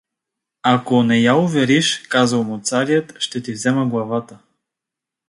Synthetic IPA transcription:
akonɛjaʊvɛɾiʃkazəlˠmʊt̪saɾijət̪ʃt̪ɛt̪ivzɛməɡlˠɐvat̪ə

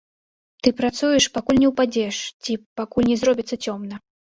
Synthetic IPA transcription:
t̪ɨpɾat̪sujɛʂpakulʲnʲɛwpad͡zʲɛʂt͡sʲipakulʲnʲɛzrɔbʲit̪sːɐt͡sʲɔmnɐ

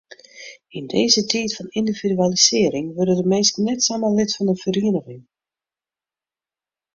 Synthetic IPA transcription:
indeːzətʰiːtfɔnindividyalisɪːɾɪŋʋørdədəmeːskənɛtsamalɪtfɔnənfəɾiənəɣɪŋ

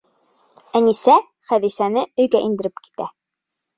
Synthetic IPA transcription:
ænisæ | χæðisænɘɵ̆jɡæʔind̪ɘ̆ɾɘpki̥t̪æ̰

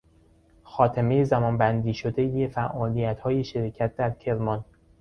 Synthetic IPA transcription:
xɒːt̪ʰeme̞je̞zæmɒːnbænd̪iːʃod̪e̞jefæʔɒːlijæt̪hɒːje̞ʃeɾecʰæt̪̚ʰd̪æɾcʰe̞ɾmɒn

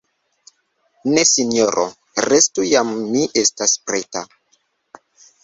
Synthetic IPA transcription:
nesinjoɾʔo̰ | ɾestujamːiʔestaspɾeta

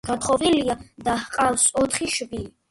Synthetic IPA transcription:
ɡ̥at̪χɔviliad̪ahqʼawsɔt̪ʰχiʃbi

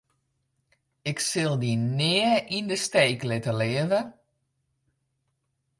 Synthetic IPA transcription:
ɪksɪlˠdinɪəʔindəstejklɪtəlɪəvə

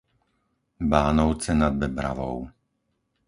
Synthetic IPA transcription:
baːnɔʊt͡sɛnad̪̚bɛbɾa̰ʋɔ̰ʊ

